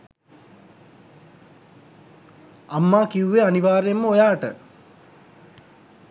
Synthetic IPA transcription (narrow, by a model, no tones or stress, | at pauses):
amːaːkiuʋeaniʋaːɾejemːəojaːʈə